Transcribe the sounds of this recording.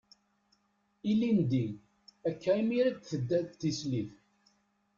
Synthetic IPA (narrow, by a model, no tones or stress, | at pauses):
ilind̪i | ækːæimiɾæt͡s̪θəd̪ːæðt̪ːisliθ